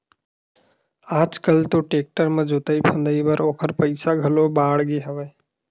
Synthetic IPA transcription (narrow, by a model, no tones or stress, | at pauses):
aːd͡ʒkəlt̪oʈeːk̚ʈəɾmẽd͡ʒot̪əipʰə̃nd̪əibəɾoːkʰəɾpəɪsaɡʱəlobaːɽɡeɦəʋəj